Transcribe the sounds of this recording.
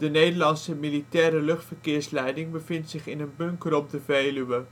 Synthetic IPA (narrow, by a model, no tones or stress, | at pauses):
d̥ənejdərlɑnsəmilitɛːɾəlɵχtfərkɪːrslɛjdɪŋbəfɪntsɪχɪnənbɵŋkəɾɔp̚dəveːlyʋə